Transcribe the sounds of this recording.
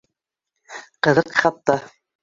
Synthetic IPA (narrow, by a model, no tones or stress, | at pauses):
qɤ̆ðɤqχɑt̪ːɑ